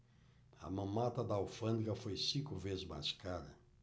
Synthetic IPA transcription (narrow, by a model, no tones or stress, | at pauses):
ɐ̰mɐ̃mat̪ɐd̪ɐawfɐ̃nd̪ɡɐfojsĩkʊvezzma̰skaɾɐ̰